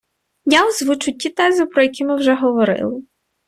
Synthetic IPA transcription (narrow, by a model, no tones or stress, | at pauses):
jawzʋʊt͡ʃʊtʲːit̪ɛzɪpɾɔjɐkʲimɪwʒɛɦɔʋɔɾɪ̰lˠɪ